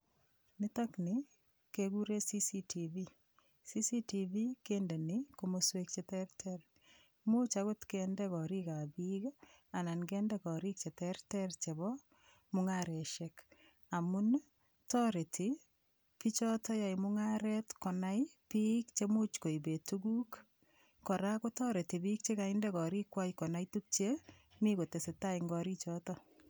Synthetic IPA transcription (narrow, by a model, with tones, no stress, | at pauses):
nɪ˦tɔ˦knɪ˨ | keɡu˦ɾe˦si˦si˦tivi˦ | si˦si˦ti˨vi˦ke˦nde˨nɪko˦mo˦swe˦k̚t͡ʃetɛ˦ɾtʰɛr | mo˦t͡ʃaɣo˦tkɛndɛ˦kɔ˨ɾi˦ka˨bi˦ka˨na˨nkɛː˦ndɛ˦kɔ˨ɾi˦k̚t͡ʃe˨tɛ˦ɾtɛ˦rt͡ʃe˨βɔ˦ | mʊŋa˦ɾɛ˨ʃɛ˦k | a˨mu˦n | tɔ˦ɾe˨ti˨ | pi˦t͡ʃɔ˦tɔ˦ja˨imʊŋaɾɛtkɔ˨na˦jpi˦kt͡ʃe˦mo˦t͡ʃko˨i˨be˨tuɡu˦k | kɔ˨ɾa˦ko˦tɔ˦ɾe˨ti˨bi˦k̚t͡ʃe˦ka˨indɛkɔ˨ɾi˦kwa˦jkɔ˨na˦itu˦k̚t͡ʃe˦ | mi˦ko˨te˨se˨ta˦iŋɡɔ˨ɾit͡ʃɔ˦tɔ˦